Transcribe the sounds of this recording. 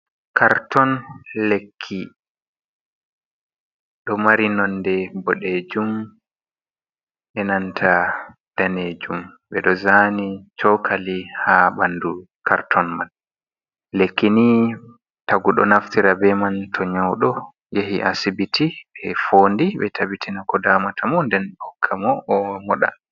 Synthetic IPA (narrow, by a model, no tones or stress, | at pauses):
kʰaɾtɔnlekʰːi | ɗɔmaɾinɔndɛbɔɗed͡ʒum | ʔɛnantʰa | d̥aned͡ʒum | ɓɛɗɔzanit͡ʃɔkʰalihabanːdu | kʰa̰ɾtʰɔnmal | lekːini | taɡuɗɔ̰naftiɾabɛmantʰɔɲawɗɔ | jeɦḭʔasibitʰiɓɛfondiɓɛtʰabitʰinakɔdaːmatʰamɔndɛnɗɔkʰːamɔʔːmɔɗa̰